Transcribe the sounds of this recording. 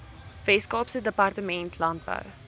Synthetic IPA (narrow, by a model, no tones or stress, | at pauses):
vɛskɑːpsədəpɑrtəmɛntʰlɐnd̚bə̰w